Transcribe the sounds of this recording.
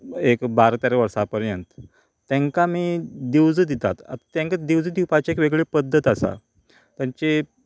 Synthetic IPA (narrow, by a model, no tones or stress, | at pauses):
ekbaɾt̪aɾeʋəɾsapəɾjənt̪ | t̪ːɛ̃ŋkamiːd̪iwd͡zəd̪it̪a̰t̪a̰t̪at̪jãŋkad̪iwd͡zəd̪ipat͡ɕaekʋeɡɭepəd̪ʱːət̪asa̰ | t̪jaɲt͡ɕe